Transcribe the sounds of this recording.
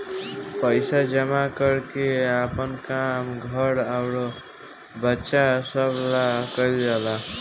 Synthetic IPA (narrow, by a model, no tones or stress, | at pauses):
pʌjsad͡ʒʌmakʌɾkeapʌnkamɡʱʌɾawɾo | bətːʃasʌblakʌjld͡ʒala